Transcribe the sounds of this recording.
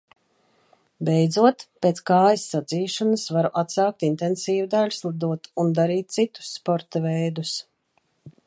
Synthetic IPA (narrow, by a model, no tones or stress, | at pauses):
bʲɛjd̪zuɔt̪peːt̪skaːjisːad̪ziːʃɔnasvaɾuʔat̪saːk̚t̪int̪ɛnsiːvud̪alʲslˠad̪uɔt̪und̪aɾiːt̪̚t̪sit̪u̥sːpɔɾt̪ɐvɛjd̪us